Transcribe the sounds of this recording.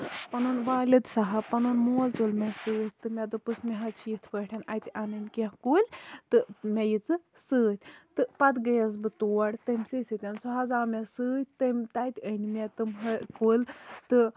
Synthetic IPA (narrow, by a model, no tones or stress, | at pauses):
pɐnonʋaːlɨt̪sɐɦɐpɐnonmoːlt͡ʃolmesɨːt̪ʰʲt̪ɨmʲed̪ɨpɨsmeɦɐt͡ʃʰit̪ʰpəʈʰʲɐnajt̪ʲiʔanɨnʲkeɦkuːlʲt̪ɨmʲejit͡sɨ | sɨːt̪ʲt̪ɨpɐt̪ɡɐjɐzbɨt̪oːɽt̪ɐmʲsɨsɨt̪ʲɐnsuɦɐzaːmesɨːt̪ʲt̪ɨmʲt̪ajt̪ʲənimʲet̪ɨmɦɐkulʲt̪ɨ